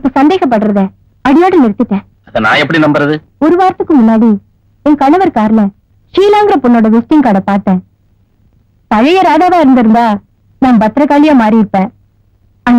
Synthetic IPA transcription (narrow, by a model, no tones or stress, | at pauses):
ɪpːosɐnd̪eːɣɐp̬ːɐʈːɯɾɐðe | ɐɽɪjoːɽɐnɪɾt̪ːɪʈːẽː | ɐðɐna̰ːɛpːɐɽinɐmbɐɾɐðɯ | ɔɾɯʋaːɾɐt̪ːɯkːɯmʊnːaːɽi | ɛŋkɐɳɐʋɐɾkaːɾlɐ | ʂiːlaːŋɡɪɾɐpɔnːoːɽɐʋɪsʈɪŋkaːɽɐpaːɾʈ̪ːẽː | p̪ɐɻɐjɐɾaːðaːʋaːɪɾɯnd̪ɪɾɯnd̪aː | naːmbɐt̪ːɾɐkaːlɪjaːmaːɾiɪʈ̚pːẽː | ɐn